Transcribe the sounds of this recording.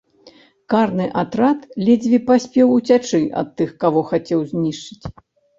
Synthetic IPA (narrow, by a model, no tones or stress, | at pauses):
karnɨʔat̪ɾat̪lʲɛd͡zʲvʲipasʲpʲɛwut͡sʲat͡ʂɨʔɐ̰t̪ːɨxkavɔxat͡sʲɛwzʲnʲiʂt͡ʂɨt͡sʲ